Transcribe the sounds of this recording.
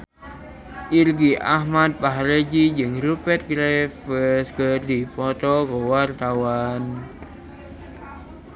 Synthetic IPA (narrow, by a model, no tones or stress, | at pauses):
ʔirɡiʔahmat̪̚paɦɾed͡ʒid͡ʒɨŋrupɛt̪̚ɡɾefəskəd̪ipɔt̪ɔkɔwart̪awan